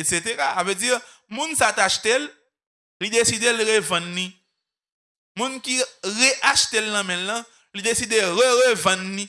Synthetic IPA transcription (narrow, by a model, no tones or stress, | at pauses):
etset̪eʁasaved͡ziʁ | mũnsat̪aʃt̪el | lid̪esid̪elʁevɐ̃nli | mũnkiʁeʔaʃt̪elnɐ̃mɛ̃lːɐ̃ | lid̪esid̪eɣøʁevɐ̃nlĩ